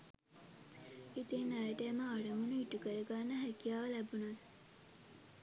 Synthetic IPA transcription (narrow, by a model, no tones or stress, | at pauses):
it̪enːaɾəʈəːməaɖəmunuiʈukəɾəɡanːəɦækijaːʋəlæbunat